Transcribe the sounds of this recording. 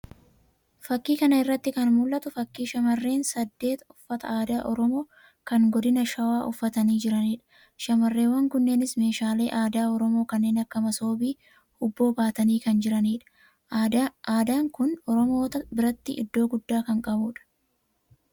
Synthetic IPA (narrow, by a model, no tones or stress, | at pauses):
fɐkːiːkɐnɐɪrːɐt̪ːɪkɐnmʊlʔɐt̪ʊfɐkːiːʃɐmɐrːe̞ːnsɐd̪ːe̞ːt̪ʊfːɐt̪ɐ̰aːd̪aːʔɔɾɔmo̞ː | kɐŋɡɔd̪ɪnɐʃɐwaːʔʊfːɐt̪ɐniːd͡ʒɪɾɐniːᶑɐ̥ | ʃɐmɐrːe̞ːwːɐŋkʊnːe̞ːnɪsme̞ːʃaːle̞̰ːʔaːd̪aːɔɾɔmo̞ːkɐnːe̞ːnɐkːɐmɐso̞ːbiː | ʊbːo̞ːbaːt̪ɐniːkɐnd͡ʒɪɾɐniːᶑɐ̥ | aːd̪aːŋkʊnɔɾɔmo̞ːt̪ɐbɪɾɐt̪ːɪʔɪ̰d̪ːo̞ːɡʊd̪ːaːkɐŋkʼɐbuːᶑɐ̥